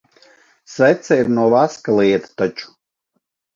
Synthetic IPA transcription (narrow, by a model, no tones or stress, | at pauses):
svɛt̪saiɾnuɔvaskalˠiɛt̪ḁt̪at͡ʃu̥